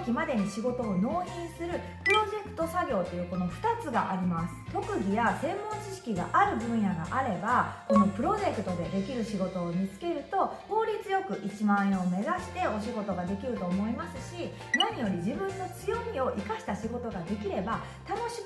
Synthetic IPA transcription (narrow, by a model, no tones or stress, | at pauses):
kʲimad̪e̞ɲ̟iɕiɡo̞t̪o̞ːno̞ːçĩɰ̃sɨɾɯ̟ | pɯ̟ɾo̞ʑe̞kɯ̟̥t̪o̞saɡʲo̞ːt̪ːe̞jɯ̟ːko̞no̞ɸɯ̟̥t̪at͡sɨɡaʔaɾʲimasɨ̥t̪o̞kɯ̟ɡʲijasẽ̞mːõ̞ɲt͡ɕiɕi̥kʲiɡa̰ʔaɾɯ̟bɯ̟̃ɰ̃jaɡa̰ʔaɾe̞bako̞no̞pɯ̟ɾo̞ʑe̞kɯ̟t̪o̞d̪e̞d̪e̞kʲiɾɯ̟ɕiɡo̞t̪o̞ːmʲit͡sɨ̥ke̞ɾɯ̟t̪o̞ho̞ːɾʲit͡sɨjo̞kɯ̟ʔit͡ɕimãɰ̃ẽome̞zaɕi̥t̪e̞o̞ɕiɡo̞t̪o̞ɡad̪e̞kʲiɾɯ̟t̪o̞ːmo̞imasɨɕi | naɲ̟ijo̞ɾʲid͡ʑibɯ̟̃nːo̞t͡sɨjo̞mʲio̞ʔikaɕi̥t̪aɕiɡo̞t̪o̞ɡad̪e̞kʲiɾe̞ba | t̪ano̞ɕi